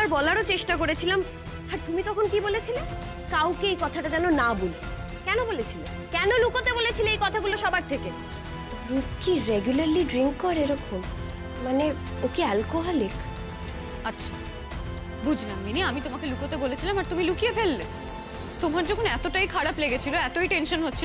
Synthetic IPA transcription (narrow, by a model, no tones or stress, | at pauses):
aɾbɔlaɾot͡ɕeʃʈakoɾet͡ɕʰilam | aɾt̪umit̪ɔkʰonkibolet͡ɕʰile | kawkeejkɔt̪ʰaʈad͡ʑɛnonabole | kɛnobolet͡ɕʰile | kɛnolukot̪ebolet͡ɕʰileejkɔt̪ʰaɡuloʃɔbaɾt̪ʰeke | ɾukiɾeɡjulaɾliɖɾiŋkːɔɾeɾɔkʰom | mane | okialkoɦɔlik | atːɕʰa̰ | bud͡ʑʱlamːiniamit̪omakelukot̪ebolet͡ɕʰilamaɾt̪umilukijepʰelːe | t̪omaɾd͡ʑɔkʰonɛt̪oʈajkʰaɾapleɡet͡ɕʰiloɛt̪oiʈenʃonɦotːɕʰi